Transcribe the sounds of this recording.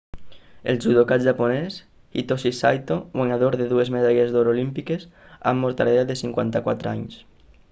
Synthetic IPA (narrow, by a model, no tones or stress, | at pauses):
elʒuðokat̪ʒapones | it̪osisajt̪owaɲaðoɾðeðuezmeð̞aʎezðoɾolimpikesa̰mːoɾt̪alead̪esiŋkwant̪akwat̪ɾa̰ɲs